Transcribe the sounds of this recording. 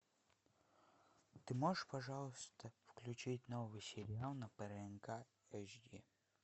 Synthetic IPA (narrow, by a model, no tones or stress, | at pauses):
t̪ɨmoʐəʂpɐʐɑlˠəst̪əfklʲʉt͡ɕitʲnovɨjsʲɪɾʲɪalˠnəpɛɾɛnka | ɛʂd̪ʲi